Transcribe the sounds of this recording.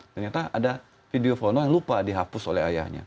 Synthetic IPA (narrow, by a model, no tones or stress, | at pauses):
t̪ərɲat̪aada | fideofonojaŋlupadiɦapʊsolɛaja̰hɲa̰